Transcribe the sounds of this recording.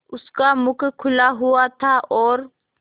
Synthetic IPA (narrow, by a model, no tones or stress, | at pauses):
ʊskamʊkʰkʰʊlaɦʊat̪ʰaʔɔːɾ